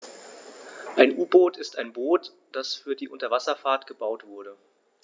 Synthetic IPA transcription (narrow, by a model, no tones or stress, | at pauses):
ʔaɪnʔuːboːtɪstʔaɪnboːt | d̥asfyːɐdiːʔʊntɐvasɐfaːɐtɡ̥əbaʊtv̥ʊɐɾə